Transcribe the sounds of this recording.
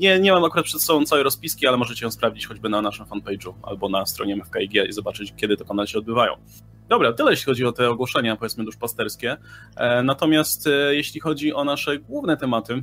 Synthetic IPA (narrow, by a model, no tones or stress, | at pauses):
ɲɛɲɛmamakuɾat̪̚pʂɛt̪sɔbɔ̃t̪awɛɾɔspʲiskʲialɛmɔʐɛt͡ɕɛjɔ̃spɾavd͡ʑit͡ɕxɔd͡ʑbɘnanaʂɘmfanpɛjd͡ʐua̰lbɔnast̪ɾɔ̰ɲɛmɛfkaiɡʲɛʔḭzɔbat͡ʂɘt͡ɕkʲjɛd̪ɘt̪ɔpɔnalɕɛɔd̪̚bɘvajɔ̰̃w̃ | d̪ɔbɾat̪ɘlɛjeɕlʲixɔd͡ʑiɔt̪ɛɔɡwɔʂɛɲapɔvjɛt̪mɘd̪uʂpast̪ɛɾskʲɛ | nat̪ɔmʲjast̪jeɕlʲixɔd͡ʑiʔɔnaʂɛɡwuvnɛt̪ɛmat̪ɘ